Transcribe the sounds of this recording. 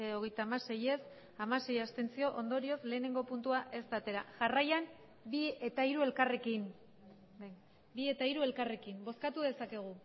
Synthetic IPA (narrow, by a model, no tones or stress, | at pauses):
o̞ɣ̞e̞jt̪aːmase̞je̞s | amase̞jast̪e̞nt͡sio̞ʔo̞nd̪oɾio̞sle̞ːne̞ŋɡo̞punt̪uaʔe̞st̪at̪e̞ɾa̰ʝarajam | bie̞t̪aiɾue̞lkare̞kin | bie̞t̪aiɾue̞lkare̞kimbo̞skat̪uðe̞sake̞ɣ̞u